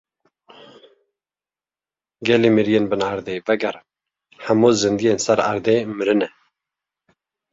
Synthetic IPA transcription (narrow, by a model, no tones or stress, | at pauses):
ɡɛliːmiɾijeːnbɨnaɾd̪eːvɛɡɛɾɨn | ħamuːzɨnd̪ijeːnsɛɾa̰ɾd̪eːmɨɾɨnɛ